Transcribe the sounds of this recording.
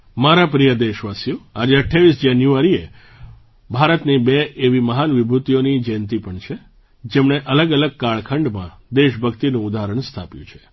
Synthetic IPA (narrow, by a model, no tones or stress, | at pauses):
maɾap̬ɾijəd̪eʃʋasjũad͡ʒeəʈʰːaʋisd͡ʒanjuaɾie | bʱaɾət̪nibeeʋiməɦanʋibʱut̪ijonid͡ʒɛnt̪ipəɳt͡ʃʰe | d͡ʒemɳeʔələɡələɡ̚kaɭkʰəɳɖmã̰ | d̪eʃbʱəkt̪inũːd̪aɾəɳst̪ʰapjṵ̃t͡ʃʰe̥